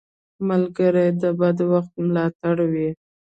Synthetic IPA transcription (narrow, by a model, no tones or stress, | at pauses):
malɡəɾajd̪əbad̪waxt̪mlɑt̪aɽwi